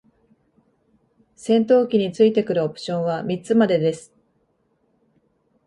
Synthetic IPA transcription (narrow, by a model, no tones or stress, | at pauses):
sẽ̞nt̪o̞ːkʲiɲ̟it͡sɨit̪e̞kɯ̟ɾɯ̟opɯ̟̥ɕõ̞ɰ̃βamʲit͡sɨmad̪e̞d̪e̞sɨ̥